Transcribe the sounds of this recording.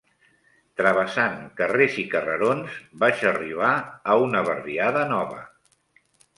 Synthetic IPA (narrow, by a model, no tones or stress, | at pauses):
t̪ɾəβəsaŋkərezikərəɾonzbaʃəriβ̞aːunəβərβiaðənɔβə̰